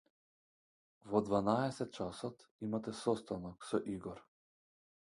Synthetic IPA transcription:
vɔd̪vanaɛsɛt̪̚t͡ʃasɔt̪imat̪ɛsɔst̪anɔksɔʔiɡɔɾ

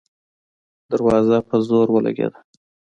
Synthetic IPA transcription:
d̪aɾwɑzapəzoɾwəla̰ɡḛd̪a

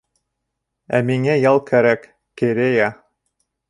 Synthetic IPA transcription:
æmiŋæjɑlˠkʰæɾækː | eɾejæ

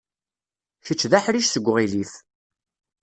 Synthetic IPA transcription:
çət͡ʃːðaħɾiʃsəɡʷːʁiliθ

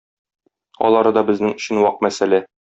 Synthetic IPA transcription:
ɒ̰lˠɑɾɤd̪ɒbɘ̆znɘŋɵ̆ɕɘ̆nwɒq̚mæsælæ

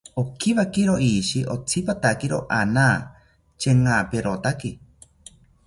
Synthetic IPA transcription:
okʰiβakiɾoʔiʃiʔot͡sʰipat̪akiɾoʔanaː | t͡ʃeŋaːpeɾot̪aki

